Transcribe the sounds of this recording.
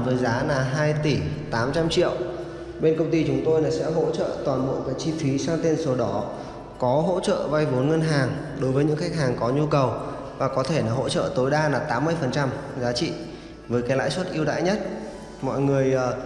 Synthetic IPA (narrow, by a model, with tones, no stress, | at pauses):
vəː˨˦jzaː˨˦laː˨˩ɦaː˧jt̪i˧˩t̪aː˨˦mt͡ɕa˧mt͡ɕḭ˧˨əw | ɓe˧nkə˧wŋ͡mt̪i˧t͡ɕʊ˨˦ŋ͡mt̪o˧jnaː˨˩sɛ̰˧˥ɦo̰˧˥t͡ɕə̰ː˧˨t̪waː˨˩nɓo̰˧˨kaː˨˦jt͡ɕi˧fi˨˦saː˧ŋt̪e˧nso˨˦ɗɔ˨˦ | kɔ˨˦ɦo̰˧˥t͡ɕə̰ː˧˨va˧jvo˨˦nŋə˧nɦaː˨˩ŋ | ɗo˨˦jvəː˨˦jɲɨ̰˧˥xa˦˥k̚ɦhaː˨˩ŋkɔ˨˦ɲu˧kə˨˩w | vaː˨˩kɔ˨˦t̪ʰe˧˩naː˨˩ɦo̰˧˥t͡ɕə̰ː˧˨t̪o˨˦jɗaː˧laː˨˩t̪aː˨˦mːɨ˧əjfə˨˩nt͡ɕa˧mzaː˨˦t͡ɕḭ˧˨ | vəː˨˦jkaː˨˦jla̰ː˧˥jswə˦˥t̚ʔi˧əwɗa̰ː˧˨jɲə˦˥t̚ | mɔ̰˧˨jŋɨ˨˩əjʔəː˨˩